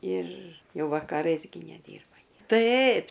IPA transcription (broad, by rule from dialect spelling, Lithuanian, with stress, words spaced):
ɪr ˈjɛʊ ʋɐkɐˈrɐɪs ɡʲɪ nʲɛˈdʲiːrbɐ nʲiɛ ˈtɐɪp